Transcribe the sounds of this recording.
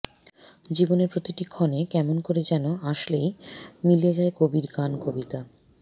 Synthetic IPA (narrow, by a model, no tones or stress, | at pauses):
d͡ʑiboneɾpɾot̪iʈikʰːɔnekɛmonkoɾed͡ʑɛnoaʃlejmilied͡ʑaekobiɾɡankobit̪a